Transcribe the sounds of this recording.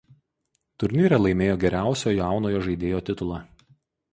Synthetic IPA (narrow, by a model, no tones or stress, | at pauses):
t̪ʊɾʲnʲiːɾʲɛlˠɐɪmʲeːjoːɡʲɛɾʲæˑʊsʲoːjaˑʊnoːjoːʒɐɪd̪ʲeːjoːt̪ʲɪt̪ʊlˠɑː